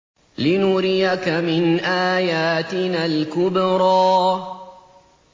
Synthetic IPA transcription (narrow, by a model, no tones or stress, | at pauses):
lɪnʊɾɪjakamɪnʔaːjaːt̪ɪnaːlkʊbɾˤɑː